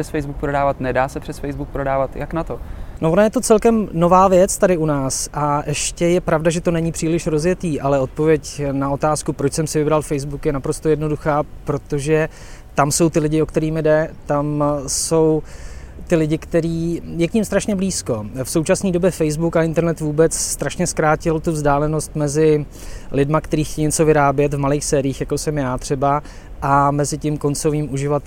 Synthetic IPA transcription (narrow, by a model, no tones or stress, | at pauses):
ɛsfɛjzbuk̚pɾodaːvat̪nɛdaːsɛpr̥ɛsfɛjzbuk̚pɾodaːvat̪jaknat̪onovonajɛt̪o̞t͡sɛlkɛmno̞vaːvjɛt͡st̪adɪunaːsʔaʔɛʃcɛjɛpɾavdaʒɛt̪o̞nɛɲɪpr̥iːlɪʃɾo̞zjɛt̪iːʔalɛo̞t̪̚po̞vjɛcnao̞t̪aːskupɾot͡ʃsɛmsɪvɪbɾalfɛjzbukjɛnapɾo̞st̪o̞jɛdno̞duxaːpɾo̞t̪o̞ʒɛ | t̪amso̞wt̪ɪlɪɟɪo̞kt̪ɛɾiːmɪdɛt̪amso̞wt̪ɪlɪɟɪkt̪ɛɾiːjɛkɲɪmst̪ɾaʃɲɛbliːsko̞fso̞wt͡ʃasniːdo̞bjɛfɛjzbukaɪnt̪ɛɾnɛt̪vuːbɛt͡sst̪ɾaʃɲɛskɾaːcɪlt̪uvzdaːlɛno̞st̪mɛzɪ | lɪdmakt̪ɛɾiːxcɛjɲɛt͡so̞vɪɾaːbjɛt̪vmaliːxsɛːɾɪiːxjakosɛmjaːt̪r̝̥ɛba | ʔamɛzɪcɪmko̞nt͡so̞viːmʔuʒɪvat̪